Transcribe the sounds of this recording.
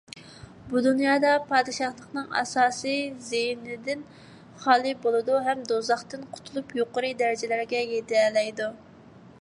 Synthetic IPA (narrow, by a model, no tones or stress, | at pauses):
bud̪unjɑːd̪ɑpʰɑːd̪ɨʃɑχlˠəqnɨŋɑ̰sɑːsɨzejnɪd̪ɪn | χɑːlˠɨbolˠɨd̪uɦɛmd̪ozɑχt̪ɨnqʰʊ̥t̪ʰulˠupjoqʊɾɨd̪ɛɾɪd͡ʒɛlæɾɡʲɛjet̪ɛlɛjd̪u